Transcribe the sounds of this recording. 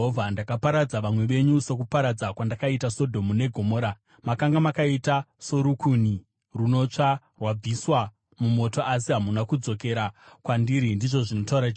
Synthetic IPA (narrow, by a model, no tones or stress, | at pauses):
ɦovʱandakapaɾad͡zaʋamwe̞ʋe̞ɲusek̬upaɾad͡zakwandakaitaso̞dʱo̞mune̞ɡʱo̞mo̞ːɾa | makaŋɡamakaitaso̞ɾukuni | runo̞t͡ʂa | rwab͡viswa | mumo̞to̞ʔas̬iɦamunakud͡zo̞ke̞ɾakwandiɾindiʐo̞ʐinotauɾa